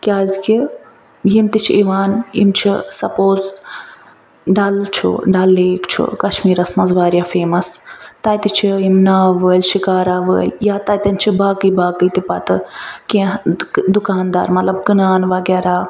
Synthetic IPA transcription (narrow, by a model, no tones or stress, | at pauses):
kʲaːzki | jimt̪it͡ʃʰiiʋaːnḭmt͡ʃʰisɐpoːz | ɖɐlt͡ʃʰṵɖɐlːeːkt͡ʃʰṵkɐʃmiːɾɐsmɐzʋaːɾjaːfeːmɐst̪ɐjt̪it͡ʃʰiimnaːʋəːlʲʃikaːɾaːʋə̰ːlʲjaːt̪ɐjt̪ɐnʲt͡ʃʰibaːkɨjbaːkɨjt̪ipɐt̪ɨkʲẽd̪ukaːnd̪a̰ːɾmɐt̪lɐb̚kɨnaːnʋɐɡɛːɾaː